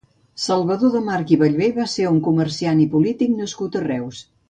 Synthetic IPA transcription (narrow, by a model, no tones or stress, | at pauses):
səlˠβəðoðəmaɾkiβəʎβejβaseɾuŋkuməɾsianipulit̪iknəskut̪ərɛws